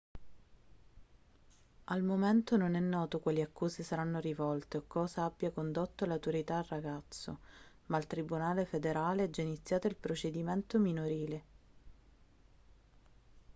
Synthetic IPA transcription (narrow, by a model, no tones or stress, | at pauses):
almoment̪ononɛnːɔːt̪okwalːiakːuːsisaɾanːoɾivɔlt̪eokɔːzaabːjakond̪ot̪ːolawt̪oɾit̪aːlraɡat̪sːo̰ | mailt̪ɾibunaːlefed̪eɾaːleɛd͡ʒːainit̪sːjaːt̪oilpɾot͡ʃed̪iment̪ominoɾiːle